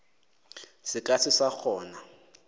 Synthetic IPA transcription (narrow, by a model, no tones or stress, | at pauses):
sɪkʼasʰɪsak͡xʰɔːna